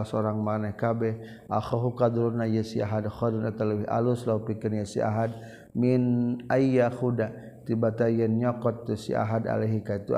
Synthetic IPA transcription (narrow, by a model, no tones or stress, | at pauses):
soɾaŋmanahkabɛh | ʔaxɔɦukad̪uɾunajəsiaɦadxɔdunat̪aləwiɦa̰luslaupikənjasḭʔa̰ɦad̚ | minaijaxuda | t̪ibat̪ajənɲɔkɔt̪ːusḭa̰ɦada̰leɦikait̪u